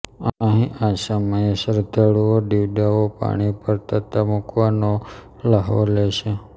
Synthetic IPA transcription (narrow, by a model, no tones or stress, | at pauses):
əɦĩʔasəməjesəɾt̪əɭuoɖiʋɖaopa̰ɽ̃ipəɾt̪ʰət̪ʰamukʋano | ləɦʋo̰leʃe